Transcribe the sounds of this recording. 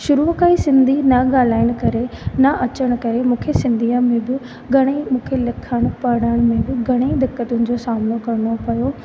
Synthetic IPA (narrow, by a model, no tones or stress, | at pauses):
ʃʊɾukaːisɪ̃nd̪ʱinɐɡaːl̤aːɪɽ̃̆kɐɾenɐʔɐt͡ɕəɽ̃̆kɐɾemũːkʰesɪ̃nd̪ʱijãmẽbũ | ɡʱɐɽ̃emũːkʰelɐkʰəɽ̃pɐɽ̃əɽ̃mẽbuɡʱɐɽ̃ed̪ɪkːət̪ʊnɪ̆d͡ʑosaːmnokɐɾɽ̃opɐjo